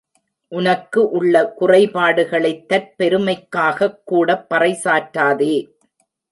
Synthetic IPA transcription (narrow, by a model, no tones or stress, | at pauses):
ʔʊnɐkːɯʔʊɭːɐkʊrɐɪpaːɽɯɣɐɭɐɪt̪ːɐɾpɛɾɯmɐɪkːaːɣɐkːuːɽɐpːɐrɐɪsaːʈːaːðeː